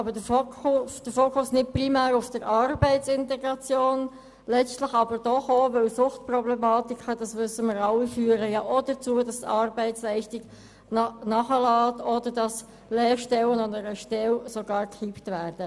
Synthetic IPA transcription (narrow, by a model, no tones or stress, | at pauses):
ɑbədəfokʊsd̥əɾfoːkʰʊsnɪt̚primæːɾʊfd̥əɾɑɾbɛɪt͡sɪntɛɡɾɑt͡sjoːn | lɛt͡stlɪχɑbəɾd̥ɔχovœlsʊχtprɔblɛmɑːtikχəd̥ɑsmʏsəməɾɑlːifyːɾəjɑʔɔd̥ət͡suːədɑstɑɾbɛɪt͡slɛɪʃtiɡ | nnɑχəlɑːtɔdəɾdɑs | lɛːɾʃtɛlːənɔnəɾəʃtɛlsoɡɑːɾkʁiptvæːɾd̥ə